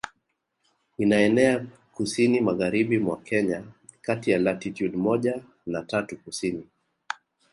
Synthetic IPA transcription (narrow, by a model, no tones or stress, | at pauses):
inaɛnɛa | kusinimaɣaɾiɓimwakɛɲa | katijalatitjudmɔʄa | natatukusini